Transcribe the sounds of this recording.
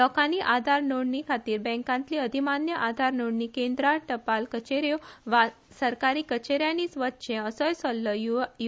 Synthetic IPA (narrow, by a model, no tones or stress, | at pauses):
lɔkaniːʔad̪ʱaɾnoɽɳikʰat̪iːɾbɛ̃ŋkãnt̪liːəd̪ʱimanjəʔad̪ʱaɾnoɽnikẽnd̪ɾaʈəpalkət͡ɕeɾjoʋa | səɾkaɾiːkət͡ɕeɾjaniːsʋət̪ːɕẽəsəjsɔlːəju